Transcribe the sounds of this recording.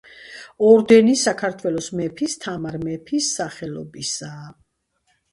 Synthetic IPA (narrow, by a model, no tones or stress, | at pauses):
ɔɾd̪ɛnisakʰaɾt̪ʰwɛlˠɔsmɛpʰist̪ʰamaɾmɛpʰisːaχɛlɔ̰bisaː